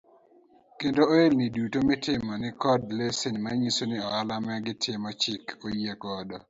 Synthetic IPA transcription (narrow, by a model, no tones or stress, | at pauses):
kendooelnɪdutomɪtɪmɔnɪkɔdlesinmaɲisonɪɔalamɛɡɪtʰɪmɔt͡ʃɪkojekɔdɔ